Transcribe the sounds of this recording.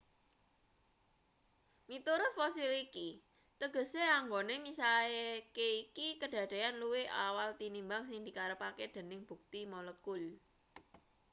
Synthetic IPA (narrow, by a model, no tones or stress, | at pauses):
mit̪uɾʊt̪̚fɔsiliki | t̪əɡ̥ə̤seaŋɡonemisaekeikikəɖ̥ä̤d̪̥e̤anluweʔawalt̪inimbaŋsɪŋd̪i̤kaɾəpaked̪̥ə̤nɪŋb̥ṳk̚t̪imɔləkʊl